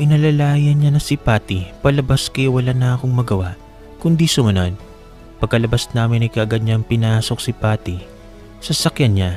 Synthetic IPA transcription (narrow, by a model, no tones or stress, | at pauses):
ʔɪnɐlɐlaːjɐnɲanɐsipaːt̪ipɐlɐbaskɐjwɐlanɐʔɐkoŋmɐɡɐwaʔ | kʊnd̪isʊmɐnod̪ | pɐɡ̚kːɐlɐbasnaːmɪnɐjkɐʔɐɡɐd̪̚ɲaŋpɪnaːso̞k̚sɪpaːt̪i | sɐsɐkjanɲa